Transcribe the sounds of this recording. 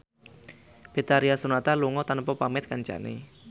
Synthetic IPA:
b̥et̪aɾiasunat̪aluŋɔt̪anpɔpamɛt̪̚kaɲt͡ʃa̰nḛ

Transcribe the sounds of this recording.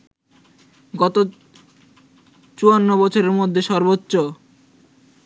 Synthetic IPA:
ɡɔt̪o | t͡ɕuanːobɔt͡ɕʰoɾeɾmod̪ʱːeʃɔɾbotːɕo

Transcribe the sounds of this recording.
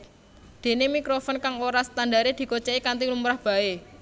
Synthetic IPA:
d̪̥e̤nemikɾofɔnkaŋoɾasə̥t̪andaɾed̪̥i̤kot͡ʃeikant̪ilumɾahb̥a̤e

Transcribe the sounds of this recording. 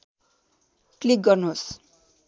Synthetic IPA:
klik̚ɡʌrnuɦos

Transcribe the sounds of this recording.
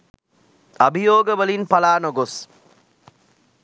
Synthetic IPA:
abʱijoːɡəʋəlinpalaːnoɡos

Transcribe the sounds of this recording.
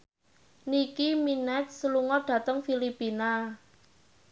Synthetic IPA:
nikiminɛt̪̚səluŋɔɖ̥ä̤t̪əŋfilipina

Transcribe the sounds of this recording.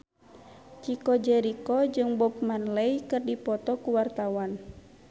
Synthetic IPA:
t͡ʃikɔd͡ʒɛɾikɔd͡ʒɨŋbɔp̚manlɛjkɨrdipɔt̪ɔkuwart̪awan

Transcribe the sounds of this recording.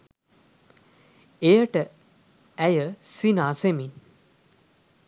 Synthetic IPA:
ejəʈə | æjəsinaːsemin

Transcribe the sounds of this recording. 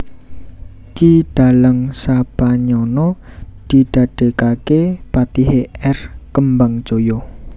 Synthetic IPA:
kiɖ̪̥a̤ləŋsapaɲɔnɔd̪̥iɖ̪̥a̤ɖ̥e̤kakepat̪iɦeɛrkəmbaŋd͡ʒojo

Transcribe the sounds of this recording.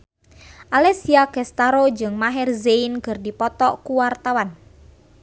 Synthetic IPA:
ʔalɛsiakɛst̪aɾod͡ʒɨŋmaɦɛrzeinkɨrdipɔt̪ɔkuwart̪awan

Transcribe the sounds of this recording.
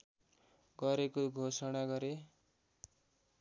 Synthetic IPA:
ɡʌɾekoɡʱosʌɽaɡʌɾe

